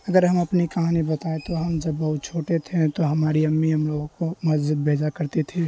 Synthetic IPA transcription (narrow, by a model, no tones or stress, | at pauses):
əɡəɾɦəməpnikɐɦanibət̪aet̪oɦəmd͡ʒəbːɐɦʊt̪̚t͡ʃʰoːʈet̪ʰẽt̪oɦɐmaːɾiɐmːiɦəmloɡõkomɐsd͡ʒɪd̪̚bʱeːd͡ʒakəɾt̪et̪ʰi